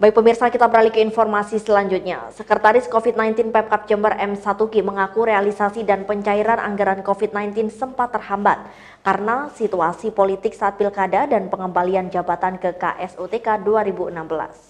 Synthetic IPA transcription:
baik̚pəmirsakit̪abəɾalikəinfɔrmasisəlaɲd͡ʒut̪̚ɲa̰səkərt̪aɾɪskofit̪̚najnt̪ɪnpɛp̚kap̚d͡ʒəmbərʔɛmsat̪uɡiməŋakuɾealisasidanpəɲt͡ʃaiɾanʔa̰ŋɡaɾankofit̪̚najnt̪ɪnsəmpat̪ːərhambat̪̚ | karənasit̪uasipolit̪ɪk̚saʔːt̪̚bilkadadanpəŋəmbaliand͡ʒabat̪ankəka̰ʔɛsot̪ekaduaɾibuənambəla̰s

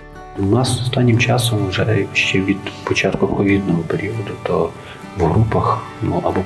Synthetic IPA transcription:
nɑsɔst̪ɑnʲːimt͡ʃɑsɔmwʒɛʃt͡ʃɛʋʲid̪pɔt͡ʃɑt̪kʊpɔʋʲid̪nɔɦɔpeɾʲiɔd̪ʊt̪ɔ | wɦɾupɐx | nuʔɐbɔ

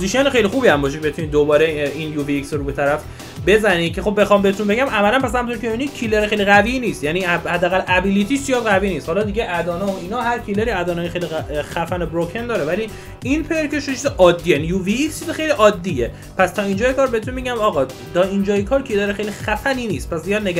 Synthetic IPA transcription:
poziʃiɒːnexejlixuːbiæmbɒːʃ̬eeet̪unid̪obɒːɾeinjuːviiksɾubet̪ʰæɾæf | be̞zæniːcʰe̞xo̞bːexɒːmbeet̪ʰunbeɟæmæmælænpæs̬hæmũnt̪oɾicʰebeinit̪cʰileɾexejliɣæviniːst̪jænihæd̪ːæːɣælʔæbilit̪ʰiːst͡ʃijɒːd̪ɣæviːniːst̪hɒlɒd̪iɟeʔæd̪ɒːnɒoiːnɒːɦæɾcʰileɾiæd̪ɒːnɒːjexejlixæfænebɾokʰend̪ɒːɾevæli | inpʰeɾceʃot͡ʃʰizeʔɒːd̪ːiːeænjuviːkst͡ʃʰizexe̞jliʔɒːd̪ːije | pʰæst̪ʰɒːiːnd͡ʒɒːjekʰɒːɾbeet̪unbeɟæmɒːɣɒː | t̪ʰɒːind͡ʒɒːjekʰɒːɾcʰileɾexejlixæfæniniːst̪̚pæszijɒːd̪ne

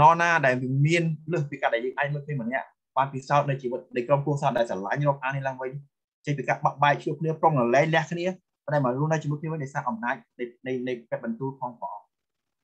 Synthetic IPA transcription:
nɑːnaːɗaɛlʋiəmiənləːhpiːkaːɗaɛljəːŋʔaːc̚məːlkʰəiəmɔnɛ̆əʔ | ɓaːnpisaɔt̪̚nɨwt͡ɕiːʋɨt̪̚nɨjkrompuəhsaːt̪̚ɗaɛlsala̰ɲrɔːp̚ʔaːkʰniəlaːŋʋɨɲ | t͡ɕəŋpiːkaːɓaʔɓaɛk̚t͡ɕʰʋɨəhpʰlɨəproŋnəlɛːŋlɛ̆əhkʰniə | pənɗaːɛmɓaruənɨwt͡ɕiːmɨt̪k̚ʰniəəɨɲɗɑɔjsaːʔɑmnaːc̚nɨnɨjnɨjpɛət̪̚ɓɑnt̪uːlpʰɑːŋpɑː

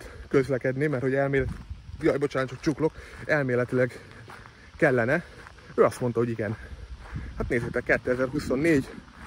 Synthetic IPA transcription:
køzlɛkɛd̪nemɛrt̪ho̞ɟɛlmeːlɛjɒjbo̞t͡ʃaːnt͡ʃokt͡ʃuklo̞kɛlmeːlɛt̪ilɛɡ | kɛlːɛnɛ | øːɒst̪mo̞nt̪ɒɦo̞ɟiɡɛn | hat̪neːzeːt̪ɛkːɛt̪ːøɛzɛrhuso̞nːeːɟ

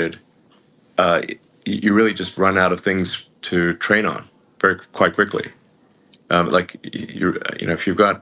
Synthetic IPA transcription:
ɨd̥̚ | ʌ | ɨjɨɹɪlˠid͡ʒʌst̚ɹʌ̃naʊɾʌv̥θɪ̃ŋz̥tʰɨtʰɹ̥ẽɪ̃nə̰̃n | v̥ɛɹikʰw̥aɪt̚kʰw̥ɪklḭ | ʔʌ̃lʔaɪkʰjɨ̰ʌ̰jɨ̰ñoʊɨfjɨvɡɑt̚

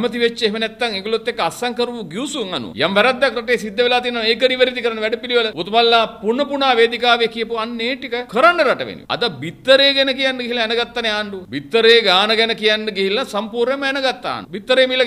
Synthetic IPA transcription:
mɐt̪iʋet͡ʃːeɦmɐnet̪ːɐŋiɡulot̪ːekːɐɐsɐŋkɐɾʋuɡiwsuŋɐnṵjɐmʋɐɾɐd̪ːɐkɾɐʈeːsid̪ːɐʋilaːt̪inɐnekɐɾiʋɐɾit̪ikɐɾɐɳɐʋɛɖɐpiliʋɐlɐʋut̪mɐlːaːpuɳɐpuɳaːʋeːd̪ikaːʋekijɐpuɐnːeːʈikɐkəɾɐɳɖɐɾɐʈɐ̰ʋḛnjṵɐ̰d̪ɐbit̪ːɐɾeːɡenɐkijɐnɖɨɡiɦilɐenɐɡɐt̪ːɐneaːɳɖubit̪ːɐɾeːɡaːnɐɡɐnɐkijɐnɖɨɡiɦilɐsɐmpuːɾɳɐmɐenɐɡɐt̪ːa̰ːnubit̪ːɐɾeːmilːɐ

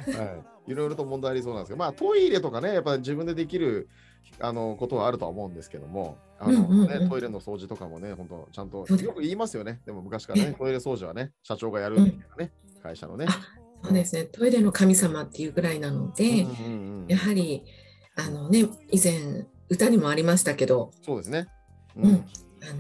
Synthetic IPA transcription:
hai | iɾo̞jɾo̞t̪o̞mõnd̪ajaɾʲis̬oːnand̪eskemaːt̪o̞iɾe̞t̪o̞kane̞japːaʑibɯ̟̃nd̪e̞d̪e̞kʲiɾɯ̟ | a̰no̞ko̞t̪o̞βaːɾɯ̟o̞a̰omo̞ɯ̟̃nd̪e̞sɨ̥ke̞d̪o̞̰mo̞̰ | a̰ɯ̟ɴoɯ̟̃neoiɾe̞no̞so̞ːʑit̪o̞ka̰mo̞ne̞hont̪o̰t͡ɕãnt̪o̞soːd̪jo̞kɯ̟iːmasɨjo̞ne̞d̪e̞mo̞mɯ̟kaɕi̥kaɾanet̪o̞iɾe̞so̞ːʑiβa̰ne̞ɕat͡ɕo̞ːɡajaɾɯ̟ɯmitajnane | kaiɕa̰no̞̰nea | so̞ːd̪e̞sɨne̞t̪o̞iɾe̞no̞kamʲisamat̪ːe̞jɯ̟ːɡɯ̟ɾainano̞d̪̥ẽ̞ | jaɦaɾʲi | ano̞ne̞izẽ̞ɰ̃ | ɯ̟t̪aɲ̟imo̞aɾʲimaɕi̥t̪ake̞d̪o̞so̞ːd̪e̞sɨne̞ | ɯ̟̃ɴ | ano

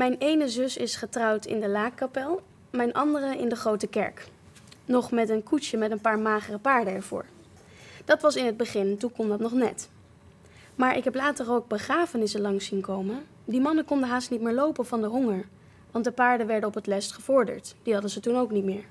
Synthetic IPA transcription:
mɛjnejnəzɵsɪsχətrɑwtɪ̰ndəlaːkːapɛlˠ | mɛjnʔɑndərəɪ̰ndəχrowtəkɛ̰ɹk | nɔχmɛtənkuʃəmɛtənpaːɹmaːχərəpaːɹdəɛɹv̥ʊ̰ːɹ | d̥ɑtʋɑsɪnɦəd̚bəχɪntukɔmdɑtnɔχnɛ̰t | maːɹʔɪkɦɛplaːtərowɡ̚bəχraːfənɪsəlɑŋsinkowmə | dimɑnəkɔndənɦaːstnit̚mɪːɹlowpənvɑndəɦɔŋəɹ | ʋɑntdəpaːɹdənʋɛɹdəɔpətlɛstχəv̥ʊɹdə̰ɹtd̥iɦɑdəzətunowknitmɪːɹ

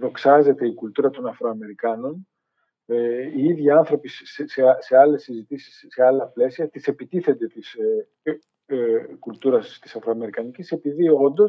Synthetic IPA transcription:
lo̞ksɐze̞t̪e̞ikult̪uɾɐt̪o̞nɐfɾo̞ɐme̞ɾikɐno̞n | eiiðʝiɐnθɾo̞pisseseɐle̞sːizit̪isi̥sːe̞ɐlɐple̞siɐt̪ise̞pit̪iθe̞nd̪e̞t̪is | kult̪uɾɐst̪i̥sɐfɾo̞ɐme̞ɾikɐnicise̞piðio̞nd̪o̞s

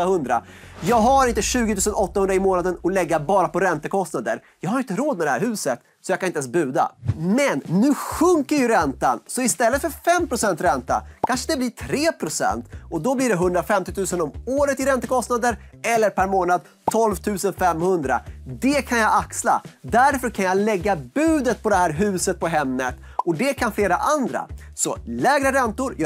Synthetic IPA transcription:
ahɵnd̪ɾa̰ | jɑːɡɦaɾɪnt̪əɕʉ̟ːɡɪt̪ʰʉːsənɔt̪ːahɵnd̪ɾaɪmoːnad̪ənɔlɛɡːabɑːɾapɔɾɛnt̪əkʰɔst̪nad̪ə̰ɾjɑːɡhaɾɪnt̪əɾoːd̪̚mɛd̪ɛhæːɾɦʉ̟ːsət̪ | sɔjɑɡkʰanɪnɛnsbʉ̟ːd̪a̰mɛnːʉ̟ːɧɵŋkəɾjɵɾɛnt̪a̰nsɔɪst̪ɛlːət̪fœɾfɛmːpʰɾʊsɛnt̪ɾɛnt̪a̰kʰanʂəd̪ɛbliːʈʰɾeːpʰɾʊsɛ̰nt̪ɔd̪ɔbliːɖɛɦɵnd̪ɾafɛmt̪ɪt̪ʰʉ̟ːsənɔmoːɾət̪ɪɾɛnt̪əkʰɔst̪nad̪əɾɛlːəɾpʰæɾmoːnad̪̚ | t̪ʰɔlvt̪ʰʉ̟ːsənfɛmhɵnd̪ɾa̰d̪ɛkʰanjaaksla̰d̪æɾfœɾkʰanjalɛɡːabʉ̟ːd̪ət̪̚pʰɔd̪ɛhæːɾɦʉ̟ːsət̪̚pʰɔɦɛmnət̪ | ɔd̪ɛkʰanfleːɾaʔand̪ɾa̰ | sɔlɛːɡɾəɾɛnt̪ʊɾj

